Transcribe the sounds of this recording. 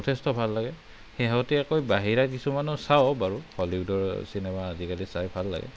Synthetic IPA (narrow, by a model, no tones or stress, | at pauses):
ɔtʰɛstɔbʱalːaɡɛ | xɛɦɔtɛakojbaɦiɹakisumanɔsawbaɹuhɔliudɔɹsinɛmaːzikalisajbʱalːa̰ɡɛ̰